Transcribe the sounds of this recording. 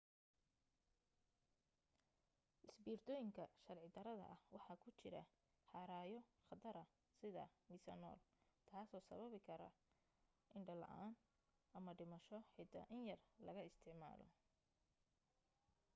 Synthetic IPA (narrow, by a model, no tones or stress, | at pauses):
ʔɪsbiːrt̪ʰɔːjɪŋkʰɐʃɐrʕɪd̪ɐɾɐðɐ̰ʔɐhwɑħɑːkʰʊt͡ʃɪɾɐ̰ | ħɑːɾaːjɔχɐd̪ɐɾɐ | sɪðɐ̰miːsɐnɔ̰ːlt̪ʰaːsɔːsɐ̰βɐβɪkʰɐɾɐ̰ | ʔɪɳɖɐlɐ̰ʔaːn | ʔɐmɐɖɪmɐʃɔħɛt̪ʰɐ̰ʔɪnjɐrlɐ̰ɣɐɪst̪ʰɪʕma̰ːlɔ̰